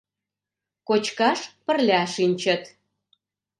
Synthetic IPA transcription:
kot͡ɕkɑʃpə̆rlʲɑʃinʲt͡ɕə̆t̪

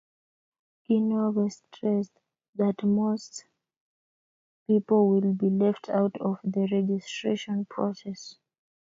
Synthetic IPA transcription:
ɡ̥inɔvəstʰɹɛs | ðatmost | pipɔlwilˠbilɛftʰawtʰɔvðəɹɛd͡ʒistɹeʃɔ̃npʰɹ̥ɔsɛs

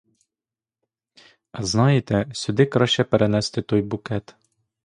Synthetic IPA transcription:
ɐznɑjet̪ɛsʲʊd̪ɪkɾɑʃʲt͡ʃɛpeɾʔenɛst̪ɪt̪ɔjbʊkɛt̪

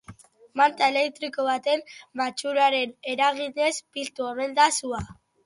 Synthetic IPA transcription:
mant̪aele̞kt̪ɾiko̞β̞at̪e̞mbat͡ʃuɾaɾe̞ne̞ɾaɣ̞ine̞spilt̪uemend̪asua

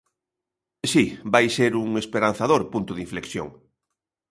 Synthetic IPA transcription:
sibajseɾuŋespeɾan̟θaðoɾpunt̪ʊðiɱfleksjo̰ŋ

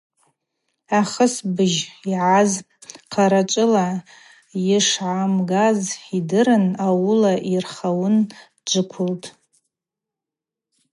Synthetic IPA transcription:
aχəsbɨʒiʕaz | qʰaɾat͡ʃʷʼɨla | jɪʂʕamɡazidɨɾɨnawʊlaʔirχawʊn | d͡ʒʷɨkʷʰʊltʼ

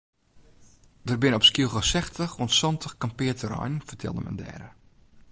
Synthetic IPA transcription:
d̥ərbɪnɔpskilˠxəsɛxtəxunsɔntʰəxkampɪətəɾɔ̰jnfərtʰɛ̰lˠdə̰mɛ̰ndɛ̰ːɾə

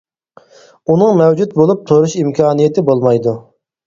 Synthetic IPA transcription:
unɨŋmɛwd͡ʒut̪̚bolˠup̚t̪ʰoɾuʃimkʲʰɑːnijet̪ʰɪbolˠmɑjd̪u

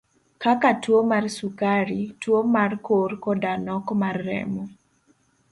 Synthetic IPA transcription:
kakatwomarsukaɾitwomarkorkɔdanɔkmarːɛ̰mɔ

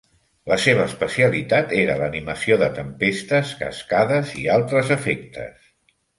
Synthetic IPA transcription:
ləseβ̞əːspəsiəlit̪at̪eɾələniməsioðət̪əmpest̪əskə̰skaðəzialˠt̪ɾəzəfek̚t̪ə̰s

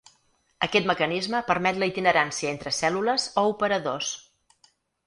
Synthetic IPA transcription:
əkɛt̪məkənizməpəɾmɛt̪ləit̪inəɾansiəent̪ɾəsɛluləzoupəɾəðos

